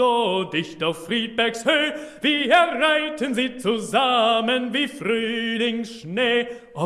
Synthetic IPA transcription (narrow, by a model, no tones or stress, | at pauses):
odɪçtaʊfːʁiːt̚b̥ɛɐkshøːviːɛɐʁaɪtənziːt͡suzamənviːfʁyːlɪŋsʃneː | ʔɔ